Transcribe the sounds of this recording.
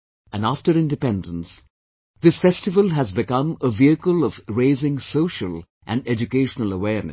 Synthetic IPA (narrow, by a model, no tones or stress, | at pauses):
æ̃næfʈəɾɪ̃ndɨpɛ̃ndə̃ns | ðɪsfɛstɨʋəlɦæzbɪkʌ̃məviɨkəlʌv̥ɾeɪzɪ̃ŋsoʊʃəl | ʔæ̰̃nɖɛd͡ʒukeɪʃənələwɛːɾnɨ̰s